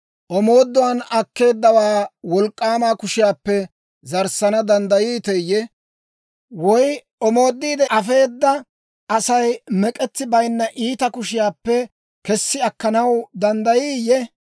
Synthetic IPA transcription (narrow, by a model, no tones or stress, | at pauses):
ʔɔmo̞ːd̪ːɔwɐnɐkːe̞ːd̪ːɐwaːwɔlkʼːaːmaːkʊʃɪjaːpːɛ | zɐɾsɐnɐd̪ɐnd̪ɐjiːt̪ɛjːɛ | wɔj | ɔmo̞ːd̪ːiːd̪ɛʔɐfe̞ːd̪ːɐ | ɐsɐjmɛkʼɛt̪ːɪbɐjnːɐʔiːt̪ɐkʊʃɪjaːpːɛ | kɛsːɪɐkːɐnɐwd̪ɐnd̪ɐjiːjːɛ